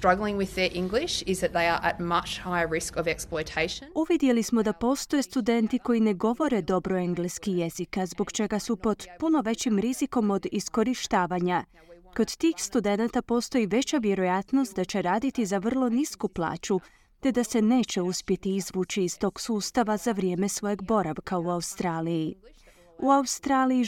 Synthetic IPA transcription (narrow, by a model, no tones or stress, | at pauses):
stɹ̥ʌɡl̩ˠɪ̃ŋwɪðə˞ʔɪ̃ŋɡlɪʃɪzðɨt̪̚ðeɪə˞ʔə̰t̚mɐt͡ʃhaɪəɹɪskəvɛksploɪtʰeɪʃə̃nuʋid̪je̞lismo̞d̪apo̞ːst̪o̞jest̪ud̪e̞nt̪iko̞ine̞ɡo̞ʋo̞ɾe̞d̪o̞bɾo̞e̞ŋɡleskije̞zikazbo̞ɡt͡ʃe̞ɡasupo̞d̪puno̞ʋe̞t͡ɕimɾiziko̞mo̞d̪isko̞ɾiʃt̪aːʋaɲa | ko̞d̪t̪iːxst̪ud̪e̞nat̪apo̞ːst̪o̞iʋe̞t͡ɕaʋje̞ɾo̞jat̪no̞st̪̚d̪at͡ɕe̞ɾaːd̪it̪izaʋr̩lˠo̞niskuplˠa̰ːt͡ɕu | t̪e̞d̪ase̞ne̞ːt͡ɕe̞uspje̞t̪iizʋuːt͡ɕiːst̪o̞ːɡ̥suːst̪aʋazaʋɾje̞ːme̞sʋo̞je̞ɡbo̞ɾaʋkauaust̪ɾaːliji | uaust̪ɾaːliji